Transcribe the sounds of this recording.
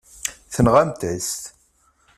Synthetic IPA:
θənʁæmt̪æst̪

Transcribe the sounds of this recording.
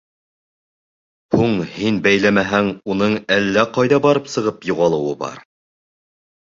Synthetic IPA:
huɴhinbæjlæmæɦæŋunɤɴælːæqɑjðɑbɑɾɤpsɤ̆ʁɤpjuʁɑlˠɤ̆wɤbɑ̰ɾ

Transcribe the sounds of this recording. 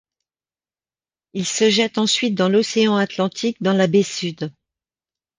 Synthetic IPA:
ilsəʒɛt̪ɑ̃sɥit̪̚d̪ɑ̃lɔseɑ̃at̪lɑ̃t̪ʰik̚d̪ɑ̃labesyd̪

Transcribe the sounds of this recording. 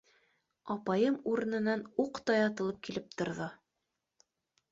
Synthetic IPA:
ɑpɑjɤmuɾɤ̆nɤ̆nɑnuqt̪ɑjɑt̪ɤ̆lˠɤp̚kilɘp̚t̪ŏɾðɤ

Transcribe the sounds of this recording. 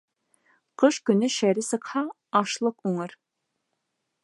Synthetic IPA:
qʰəʃkʲynɪʃɛɾɪsɨqhɑ | ɑʃlˠəquŋɨɾ

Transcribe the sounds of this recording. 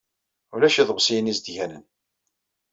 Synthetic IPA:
ulæʃæðʁsijnizd̪ʝænə̰n

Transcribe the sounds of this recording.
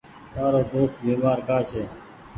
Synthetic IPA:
t̪aːɾoːd̪oːst̪biːmaːɾkaːt͡ʃʰeː

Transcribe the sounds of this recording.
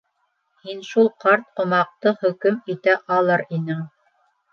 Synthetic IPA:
hinʃulˠqɑɾt̪̚qŏmɑq̚t̪ɤhɵ̆kɵmit̪æʔɑlˠɤɾinɘɴ

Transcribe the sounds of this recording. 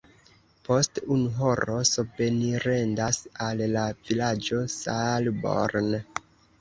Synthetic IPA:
po̞stunuɦo̞ɾo̞sope̞niɾe̞ndasalːav̥ilad͡ʒo̞salbo̰ɾn

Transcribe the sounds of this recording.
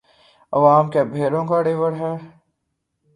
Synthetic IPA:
ɐʋaːmkebʱeːɾõkaɽeːʋəɽɦɛː

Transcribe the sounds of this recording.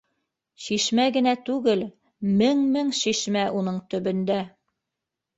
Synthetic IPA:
ʃiʃmæɡɘ̆næt̪ʉɡɘl | mɘŋmɘŋʃiʃmæʔunɤɴt̪ɵ̆bɵ̆nd̪æ

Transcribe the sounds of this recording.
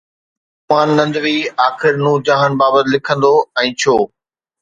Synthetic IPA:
maːnːɐ̃nd̪ʋiaːxɪɾnũːd͡ʑãːɦən̆baːbət̪ɪlɪkʰə̃nd̪oɛ̃ːt͡ɕʰoː

